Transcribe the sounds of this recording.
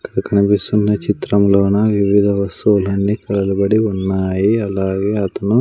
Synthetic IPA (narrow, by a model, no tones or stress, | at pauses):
ɐɐkːɐɽɐkʰɐnipist̪unːɐt͡ʃit̪ɾɐmloːnɐʋiʋid̪ʱɐʋɐst̪uulɐnːikɐɭɐlubɐɽiunːaːjiɐlaːɡeːɐt̪ɐnu